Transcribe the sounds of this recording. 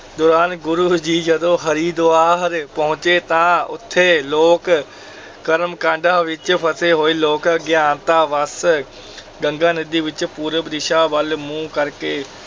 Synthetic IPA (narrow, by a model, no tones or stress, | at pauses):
d̪ɔːɾaːnɡʊɾuːd͡ʒiːd͡ʒɐd̪õːɦɐɾiːd̪oːaːɦɾpɐɦʊ̃t͡ʃeːt̪ãːʊ̰t̪ʰːeːloːk | kɐɾmkãːɳɖaːʋɪt͡ʃpʰəseːɦoːiːloːkɡjãːnt̪aːʋəs | ɡə̃ŋɡãːnɪd̪iːʋɪt͡ʃpuːɾəbɾɪʃaːbəlmũːkəɾkeː